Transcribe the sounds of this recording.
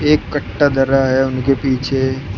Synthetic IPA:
eːkːɐʈːad̪ɐɾaɦɛʊnkepiːt͡ʃʰe

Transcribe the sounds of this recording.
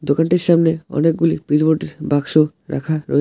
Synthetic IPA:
d̪okanʈiɾʃamneɔ̰nek̚ɡulipɾid͡ʑboɾʈeɾbakʃo | ɾa̰kʰaɾo̰e

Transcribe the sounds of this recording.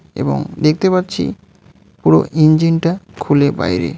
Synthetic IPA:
ḛbo̰ŋd̪ek̚ʰt̪epatːɕʰḭ | puɾoʔind͡ʑinʈakʰuleba̰jɾḛ

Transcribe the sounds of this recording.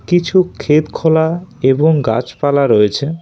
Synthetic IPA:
kit͡ɕʰukʰet̪kʰolaeboŋɡa̰t͡ɕpalaɾoet͡ɕʰe

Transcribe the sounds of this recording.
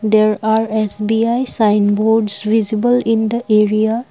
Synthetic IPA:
d̪eɾaɾesbiajsajnboɾɖsʋizibəlĩnd̪əʔeɾia

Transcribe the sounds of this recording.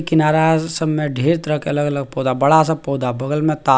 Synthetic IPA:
kɪnaːɾasəbmẽɖʱeːɾt̪əɾəɦkeɐləɡələɡ̚poːd̪abəɽasapoːd̪ʱabəɡəlmẽt̪aː

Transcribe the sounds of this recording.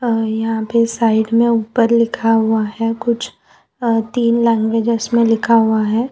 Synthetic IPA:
jɐɦãpesaːɪɖmẽuːpəɾlɪkʰaɦuaɦɛkʊt͡ʃʰ | t̪iːnlɛ̃ːŋɡʋeːd͡ʒəsmẽlɪkʰaɦʊaɦɛː

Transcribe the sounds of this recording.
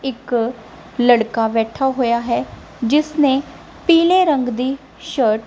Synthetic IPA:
ɪk | ləɽkaːbɛːʈʰːaːɦoːjaːɦɛː | d͡ʒɪsneː | piːleːɾəŋɡd̪iː | ʃəːʈ

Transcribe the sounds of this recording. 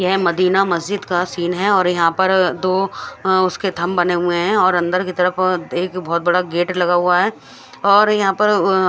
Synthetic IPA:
jɐɦmɐd̪iːnamɐzd͡ʒɪd̪kasiːnɦɛɔːɾjɐɦãpɐɾd̪oːʊsket̪ʰɐmbɐneɦʊeɦɛ̃ɔːɾɐ̃nd̪əɾkit̪ɐɾəfeːkbɔːt̪̚bɐɽaɡeːʈlɐɡaɦuaɦɛː | ɔːɾjɐɦãpɐɾ

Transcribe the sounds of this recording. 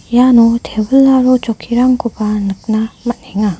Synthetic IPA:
janot̪ebuɭːaɾot͡ɕokʰiɾaŋɡubanɯk̚namanheŋa

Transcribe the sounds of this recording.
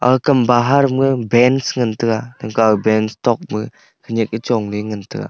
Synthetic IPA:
a̰kɯmbaɦaɾmɯbɛnsŋɯntɯkanɯŋkabɛnstɔk̚mɯ | kʰɯɲik̚it͡ʃɔŋlɯŋɯntʰɯ̰ka̰

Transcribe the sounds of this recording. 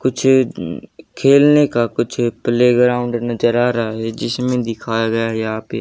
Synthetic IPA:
kʊt͡ʃʰ | kʰeːlnekakʊt͡ʃʰpleːɡɾãːʊ̃ɳɖnɐd͡ʒəɾaːɾaɦaɦɛd͡ʒɪsmẽd̪ɪkʰaːjaɡɐjaɦɛaːpḛː

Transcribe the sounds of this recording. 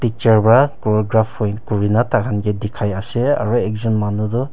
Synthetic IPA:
tit͡ʃaɹbakɔɡɾapʰɔjkuɹinataɡanɡedikʰajasea̰ɾuɛk̚zɔnmanudɔ

